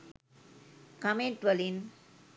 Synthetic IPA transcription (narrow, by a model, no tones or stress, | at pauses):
kɐmeɳʈʋɐlin